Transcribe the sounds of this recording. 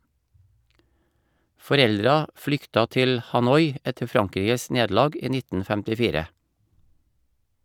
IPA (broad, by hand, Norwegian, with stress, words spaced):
fɔˈɾɛldɾɑ ˈflʏktɑ ˈtɪl hɑˈnɔʏ ˈɛtə ˈfɾɑŋˌkɾiːɡəs ˈneːdl̩ˌɑːɡ ˈiː ˈnɪtn̩ fɛmtɪˈfiːɾə